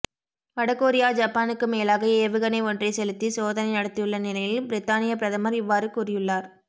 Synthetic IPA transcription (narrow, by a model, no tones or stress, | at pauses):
ʋɐɽɐkːoːɾɪjaːd͡ʒaːpːaːnɯkːɯmeːlaːɣɐeːʋɯɣɐnɐɪɔndrɐɪsɛlɯt̪ːisoːðɐnɐɪnɐɽɐt̪ːɪjɯɭːɐnɪlɐjɪlbɪɾɪt̪ːaːnɪjɐpɪɾɐðɐmɐɾɪʋːaːɾɯkuːɾɪjɯɭːaːɾ